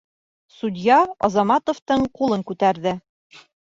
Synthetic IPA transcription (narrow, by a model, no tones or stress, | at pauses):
sud̪ʲjɑɒ̰zɑmɑt̪ŏft̪ɤɴqulˠɤŋkʉt̪æɾðɘ